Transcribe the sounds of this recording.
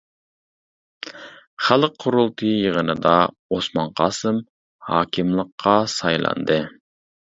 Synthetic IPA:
χælˠəqqʰːʊɾulˠt̪ʰɨjəʁənɨd̪ɑ | osmɑnqʰɑːsɨm | hɑːkʲʰimlˠəqːɑsɑjlˠɑ̰nd̪ɨ

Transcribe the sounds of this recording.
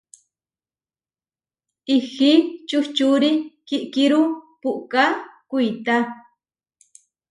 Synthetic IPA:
ixit͡ʃuht͡ʃuɾikiʔkiɾupuʔkakujt̪a

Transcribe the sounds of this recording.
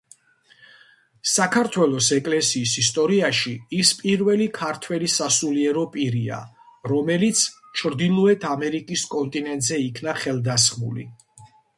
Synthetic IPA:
sakʰaɾt̪ʰwɛlˠɔsɛkʼlɛsiːsist̪ʼɔɾiaʃiispʼiɾvɛlikʰaɾt̪ʰwɛlisasuliɛɾɔpʼiɾia̰ | ɾɔmɛlit̪sʰ | t͡ʃʰɾd̪ilˠɔɛt̪ʰamɛɾikʼiskʼɔnt̪ʼinɛnt̪ʼzɛikʰnaχɛlˠd̪asχmṵlḭ

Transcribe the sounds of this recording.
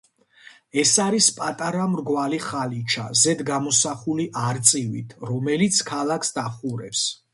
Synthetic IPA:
ɛsaɾispʼat̪ʼaɾamɾɡwaliχalit͡ʃʰa̰zɛd̪ɡamɔsaχuliʔaɾt̪sʼivḭt̪ʰɾɔmɛlit̪sʰkʰalˠakʰsd̪aχuɾɛps

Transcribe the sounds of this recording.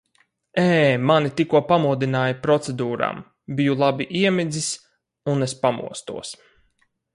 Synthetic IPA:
ɛːmanit̪ikuɔpamuːd̪inaːjipɾɔt̪sed̪uːɾa̰ːm | bijulˠabiʔiɛmid̪zis | unespamṵɔst̪ṵɔs

